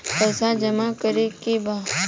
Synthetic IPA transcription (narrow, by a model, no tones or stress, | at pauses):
pəsãːd͡ʒəmakəɾekebãː